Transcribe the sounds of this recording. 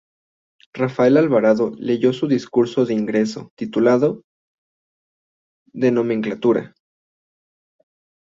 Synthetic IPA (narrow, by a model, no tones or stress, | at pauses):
rafae̞lalβaɾaðo̞le̞ʝo̞suðiskuɾso̞ðeiŋɡɾe̞so̞̰t̪it̪ulaðo̞ | ðe̞no̞mẽŋklat̪uɾa̰